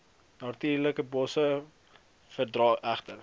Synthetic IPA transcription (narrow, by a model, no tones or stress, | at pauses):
nɑtiːrləkəbɔsə | fərdrɑːʔæχtər